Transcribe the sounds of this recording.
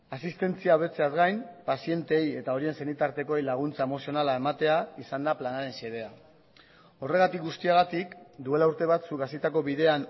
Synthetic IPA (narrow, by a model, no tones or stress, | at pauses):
asist̪e̞nt͡siaːβe̞t͡se̞azɡajnpasie̞nt̪eeje̞t̪ao̞ɾie̞nse̞nit̪aɾt̪e̞ko̞ejlaɣ̞unt͡sae̞mo̞sio̞nalae̞mat̪e̞aisand̪aplanaɾe̞nseðe̞a | o̞re̞ɣ̞at̪ik̚ɡust̪iaɣ̞at̪ikd̪ue̞lauɾt̪e̞βat̪suɡasit̪ako̞βiðe̞an